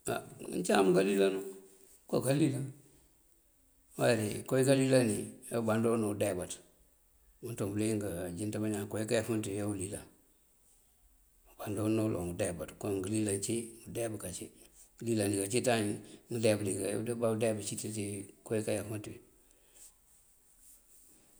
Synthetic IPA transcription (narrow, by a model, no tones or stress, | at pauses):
a̰ɲt͡ʃamkalilanu | kokalila | waɾekojikalilanijobandoːnodebat | untobliŋɡad͡ʒintamaɲaŋkojikajfuntijolila | ubandonolo̰ŋɡudebatkoŋɡəlilant͡ʃiŋudebkat͡ʃi | lilaniɡat͡ʃitaɲŋdebliɡaj̰badebat͡ʃititikojikajafunti